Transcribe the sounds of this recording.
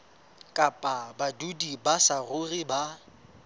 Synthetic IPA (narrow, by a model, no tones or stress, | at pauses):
kʼapʼabadudibasarʊriba